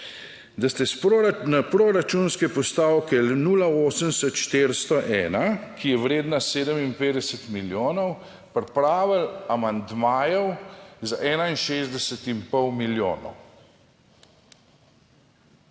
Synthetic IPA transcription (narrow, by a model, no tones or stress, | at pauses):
d̪ast̪ɛsnapɾoɾat͡ʃunskɛpɔst̪aːwkɛnuːlaoːsənsɛt̪ʃt̪eːɾst̪ɔʔɛːnakijɛwɾeːd̪naseːd̪əmimpeːd̪ɛsɛt̪miljoːnɔw | pɾɛpɾaːʋəlamand̪maːjɔwzaʔɛːnainʃeːzd̪ɛsɛt̪impɔwmiljo̰ːnɔ̰w